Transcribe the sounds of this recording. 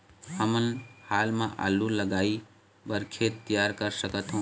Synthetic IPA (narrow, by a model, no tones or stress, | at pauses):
həmənhaːlmẽʔa̰ːlːuləɡaːi | bəɾkʰeːt̪t̪ːijaːɾkəɾsəkət̪ɦõː